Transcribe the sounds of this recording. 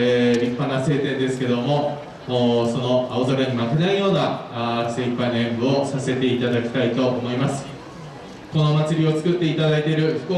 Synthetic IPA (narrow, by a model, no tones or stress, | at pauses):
eɾʲipːanase̞ːt̪ẽ̞nd̪e̞sɨ̥ke̞d̪o̞mo̞ː | so̞no̞aozaɾaɲ̟imak̪enaijo̞ːnaseipːanẽmbɯ̟o̞sase̞t̪e̞it̪ad̪akʲi̥t̪ait̪o̞ʔomo̞imasɨ̥ | ko̞no̞mat͡sɨɾʲio̞t͡sɨ̥kɯ̟t̪ːe̞it̪ad̪ait̪e̞ɾɯ̟çi̥ko